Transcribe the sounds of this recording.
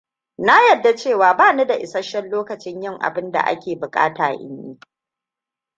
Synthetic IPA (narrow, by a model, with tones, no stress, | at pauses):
na˦jɐ˨dːa˦t͡ʃeː˦˨waː˨baː˦˨nu˦da˨ʔɪ˨sɐ˦ʃɐ˦nloː˦kɐ˨t͡ʃɪ˦ɲjɪ˦ŋʔa̰˨bɪ˦nda̰˨ʔa̰˦kʲeː˨bʊ˨kʼa̰ː˦ta̰ː˨ʔɪ̰˦njiː˦